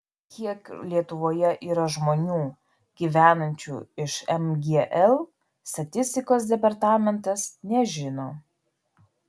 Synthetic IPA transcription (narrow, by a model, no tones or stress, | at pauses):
kʲʰiɛklʲiɛt̪ʊʋoːjɛʔiːɾɐʒmoːnʲuː | ɡ̥ʲiːʋʲæːnɐnʲt͡ʃʲṵːɪʃɛmɡʲeʔɛlˠ | st̪ɐt̪ʲɪsʲt̪ʲɪkoːs̬d̪ʲɛpɐɾt̪ɑːmʲɛnt̪ɐsnʲɛʒʲɪnoː